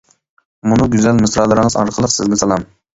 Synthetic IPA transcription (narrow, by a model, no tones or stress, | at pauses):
munɨɡʲyzælmɨsɾɑlˠɨɾɨŋɨzɑ̰ɾqʰəlˠəqsɪzɡʲɛsɑlˠɑm